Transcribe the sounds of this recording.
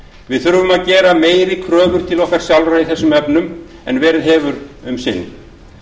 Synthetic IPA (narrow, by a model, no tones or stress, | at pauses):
vɪðθʏɾvʏmaðcɛːɾameːjɾɪkʰɾœːvʏɾ̥t̪ʰɪlɔhkaɾ̥sjawlɾaiθɛsːʏmɛpnʏm | ɛnvɛːɾɪðɦɛːvʏɾʏmsɪnː